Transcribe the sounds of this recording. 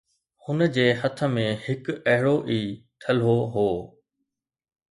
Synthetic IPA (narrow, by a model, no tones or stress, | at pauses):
hʊnə̆d͡ʑeːɦɐt̪ʰə̆mẽhɪkɐɦɪɽoʔiːt̪ʰɐlɦoɦoː